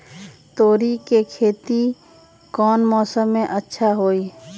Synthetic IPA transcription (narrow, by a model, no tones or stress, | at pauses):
t̪oːɾikekʰeːt̪i | kɔːnmɔːsəmːẽʔətːʃʰaɦoːiː